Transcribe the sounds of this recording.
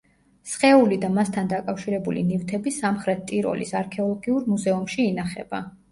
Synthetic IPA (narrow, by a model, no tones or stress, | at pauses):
sχɛulid̪amast̪ʰand̪akʼafʃiɾɛbulḭnivt̪ʰɛbisamχɾɛt̪t̪ʼiɾɔ̰lḭsaɾkʰɛɔlˠɔɡiuɾmuzɛumʃiːnaχɛ̰ba